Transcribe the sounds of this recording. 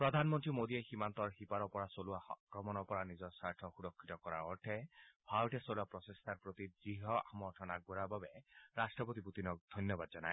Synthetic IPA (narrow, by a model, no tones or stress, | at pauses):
pɹɔd̪ʱanmɔnt̪ɹimod̪ieximant̪ɔɹxipaɾɔpɔɾasoluakɾɔmɔnɔpɔɹanizɔɹsaɹtʰɔxuɾɔkʰːit̪ɔkɔɾa̰ɹɔɹʈʰɛbʱawʈesoluapɾɔsest̪ʰaɹpɹot̪iziɦɔamɔɹʈʰɔnak̚buɾababɛɾasʈɹɔpɔt̪ibut̪inɔk̚d̪ʱɔjnjɔbad̪d͡ʒɔnaj